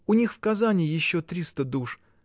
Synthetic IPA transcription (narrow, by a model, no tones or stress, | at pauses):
ʊnʲixfkɐzanʲɪjɪɕːot̪ɾʲist̪əd̪uʂ